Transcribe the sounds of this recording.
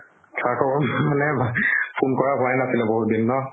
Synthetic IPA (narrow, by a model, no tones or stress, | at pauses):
tʰakɔbɔmanɛpʰunkɔɹabʱɔaɛnasilɛboɦut̚binːɔ